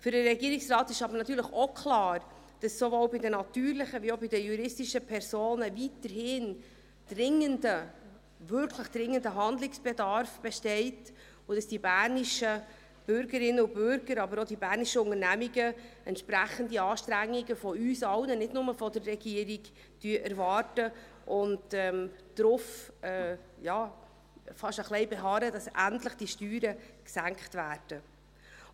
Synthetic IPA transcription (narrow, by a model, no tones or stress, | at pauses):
fʏɾəɾɛɡiːəɾɪksrɑːt̪ɪʃɑbəɾnɑt̪yːɾləχokʰlɑːɾ | d̥ɑsːovɔwbɪdənɑt̪yːɾlɪχəviobɪdəjuɾɪstiʃəpʰɛɾsoːnəvitəɾhɪn | d̥rɪŋːəndə | vʏɾkʰləχd̥ɾɪŋːəndəɦɑnd̪lɪksb̥ɛdɑɾfb̥ɛʃtɛɪt | ʊd̥ɑsd̥ibæːɾniʃə | b̥ʏɾɡəɾɪnːəʊbʏɾɡəɾɑbəɾɔdibæːɾniʃəʊŋəɾnæmiɡəɛntt͡ʃpɾæχəndiɑːʃtɾæŋːiɡəfɔyːsɑwnənɪdnʊməfɔdərːɛɡiəɾiɡ | tyəʔæɾvɑːrtə | ʔʊntɛmd̥ɾʊfɛjɑː | fɑʃəχlɛɪbɛɦɑːɾədɑsʔæntləχd̥iʃtyːɾəksæŋkχtvæːrd̥ə